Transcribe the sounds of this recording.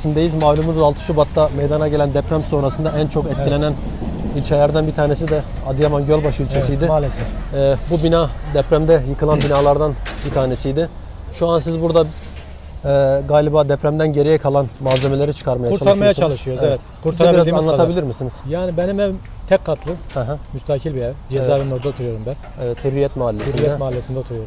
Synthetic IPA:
sind̪ejizmaːlʲumuzzalˠt̪ʰɯ̥ʃubat̪ːamejd̪anaɟe̞lʲænd̪ɛpɾæmso̞nɾasɯnd̪aænt͡ʃʰo̞kɛt̪̚ʰʲilʲe̞næn | ilʲt͡ʃʰelʲæɾd̪ænbit̪ʰaːne̞s̬id̪ɛ | ad̪ɯjamanɟølʲbaʃilʲt͡ʃʰesijd̪ɪmalesɛːbubinaːd̪ɛpɾæmd̪ɛjɯkʰɯlˠanbinaːlˠaɾd̪anbit̪ʰaːne̞sijd̪ɪ | ʃuansizbuɾd̪a | ɛːɡaːlʲibaːd̪ɛpɾæmd̪ænɟe̞ɾijɛkʰalˠanmaːze̞melʲe̞ɾit͡ʃʰɯ̥kʰaɾmajauɾt͡ʃalʰaɾmajjat͡ʃʰalˠɯʃɯjoɾzevɛt̪kʰuɾt̪ʰaɾiɾazanˠaabilʲiɾmisiniz̥jaːnibɛnimɛ | t̪ʰɛkkʰːat̪ʰlˠɯhɛɦɛ̃myst̪ʰaːcʰilʲbilɛd͡ʒezaːbiɾnod̪aot̪ʰuɾujoɾumbæn | ɛvɛt̪hyɾijɛt̪maalːesɾinɛɛmaalʲːesind̪ɛot̪ʰuɾujoɾum

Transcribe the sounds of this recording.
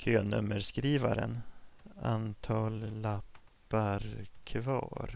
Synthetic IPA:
kʰøːnɵmːəɾskɾiːvaɾən | ant̪ʰɑːlːapː | aɾkʰvɑːɾ

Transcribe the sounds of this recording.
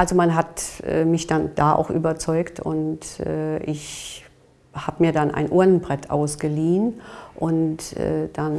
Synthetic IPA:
ʔalzomanɦatʔɛ̰ːmɪçd̥and̥aːʔa̰ʊxʔy̰ːbɐt͡sɔʏktʊ̰ntʔɛːʔɪç | haːbəmiːɐdanʔa̰ɪnʔuɐnənbʁɛtʰʔa̰ʊsɡ̥əliːənʔʊntʔɛ̰ːd̥an

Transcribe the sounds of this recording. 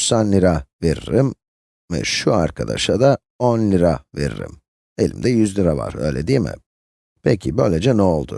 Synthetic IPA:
sanlːʲiɾaveɾiɾim | vɛ̰ʃuaɾkʰad̪a̰ʃad̪a | onlʲiɾave̞̰ɾḭɾḭm | e̞lʲimd̪ɛjyzlʲiɾava̰ɾø̞̰jlʲed̪iːmɪ̰ | pʰɛcʰibø̞jlʲed͡ʒɛnɛo̞lˠd̪ʊ̰

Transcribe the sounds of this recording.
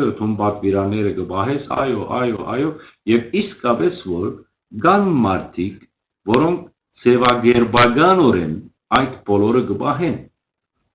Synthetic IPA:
jɔt̪ʰumbɑt̪viɾɑnɛɾəɡəbɑɦɛsʰɑ̰jɔʔɑjɔʔɑ̰jɔ | jɛviskɑbɛsvɔɾ | ɡɑnmɑɾt̪ʰik | vɔɾɔŋkʰ | t͡sʰɛvɑɡɛɾbɑɡɑnɔɾɛn | ɑjt̪ʰbɔlɔɾəɡəbɑɦɛn

